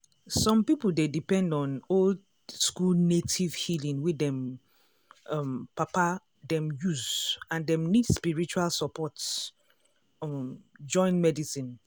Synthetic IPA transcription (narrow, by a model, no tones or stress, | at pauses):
sɔ̃mpipl̩dedipɛ̃ndɔ̃nol | skulnetʰivhilĩŋwidɛ̃m | ɔmpapa | dɛ̃mjuzãndɛ̃mnidspiɹit͡ʃualsɔpʰɔts | d͡ʒɔ̃ɪ̃nmɛdisĩn